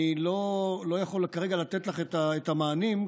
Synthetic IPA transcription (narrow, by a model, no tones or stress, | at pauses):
lolo̞jaχo̞lkaʁeɡalat̪et̪laχet̪aet̪amaːnim